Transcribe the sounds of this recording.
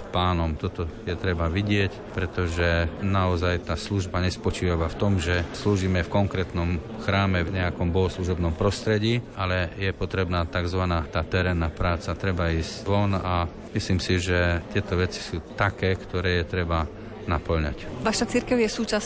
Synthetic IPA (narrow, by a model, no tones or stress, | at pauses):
paːnɔmt̪ɔt̪ɔjɛt̪ɾɛbaʋiɟɪɛc | pɾɛt̪ɔʒɛnaɔzajt̪aːsluʒbaɲɛspɔt͡ʃiːʋaʋaft̪ɔmʒɛsluːʒiːmɛfkɔŋkɾɛːt̪nɔm | xɾaːmɛvɲɛakɔmbɔɦɔsluʒɔbnɔmpɾɔst̪ɾɛɟiːalɛjɛpɔt̪ɾɛbnaːt̪aɡzʋanaːt̪aːt̪ɛɾɛːnːapɾaːt͡sat̪ɾɛbaiːsʋɔna | misliːmsiʒɛt̪ɪɛt̪ɔʋɛt͡si̥suːt̪akɛːkt̪ɔɾɛːjɛt̪ɾɛba | napl̩ɲa̰cʋaʃat͡siɾkɛʊjɛsuːt͡ʃas